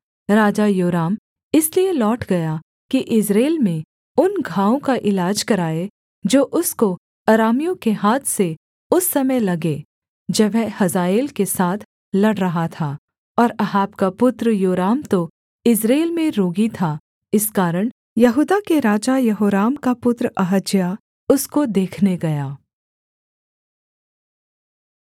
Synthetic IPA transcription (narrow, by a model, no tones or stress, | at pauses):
ɾaːd͡ʒajoːɾaːm | ɪslielɔːʈʰɡɐja | kiʔɪsɾeːlmẽ | ʊnɡʱãːõkaʔɪlaːd͡ʒkɐɾaːe | d͡ʒoːʔʊsko | ɐɾaːmijõkeɦaːt̪ʰse | ʊsːɐməjlɐɡe | d͡ʒɐʋɦehɐzaːeːlkesaːt̪ʰ | lɐɽɾɐɦat̪ʰaː | ɔːɾɐɦaːbkapʊt̪ɾjoːɾaːmt̪o | ɪsɾeːlmẽɾoːɡit̪ʰa | ɪskaːɾəɽ̃ | jɐɦuːd̪akeɾaːd͡ʒajɐɦoːɾaːmkapʊt̪ɾɐɦəd͡ʒja | ʊskod̪eːkʰneɡɐjaː